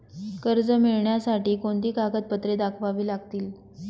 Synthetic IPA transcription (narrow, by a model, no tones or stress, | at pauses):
kəɾd͡zəmiɭɳjasaʈiːkoɳt̪iːkakət̪̚pət̪ɾed̪akʰʋaʋiːlaɡ̚t̪iːl